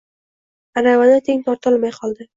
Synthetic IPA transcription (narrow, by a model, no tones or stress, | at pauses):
aɾavanat̪ʰeŋt̪ʰɒɾt̪ʰɨlˠmajqʰɒlˠd̪ɪ